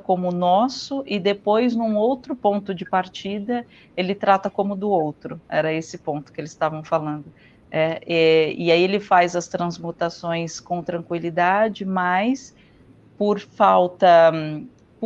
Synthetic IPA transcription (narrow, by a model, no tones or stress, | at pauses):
kõmʊnɔsʊʔɪd̪epojznũowt̪ɾʊpõnt̪ʊd͡ʒɪpaɾt͡ʃid̪ɐ | elɪt̪ɾat̪ɐkõmʊd̪ʊowt̪ɾʊɛ̰ɾɐesɪpõnt̪ʊ̥kɪelɪst̪avɐ̃w̃falɐ̃nd̪ʊ | ɛɛɪaielɪfajzɐst̪ɾɐ̃zmut̪asõj̃skõt̪ɾɐ̃kwilid̪ad͡ʒɪmɐjs | poɾfawt̪ɐ | p